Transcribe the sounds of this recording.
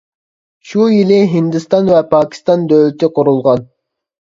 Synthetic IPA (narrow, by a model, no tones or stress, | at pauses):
ʃujilɪɦind̪ɪst̪ɑnvɛpʰɑːkʲʰi̥st̪ɑnd̪øwlɪt̪ɪqʊɾulˠʁɑn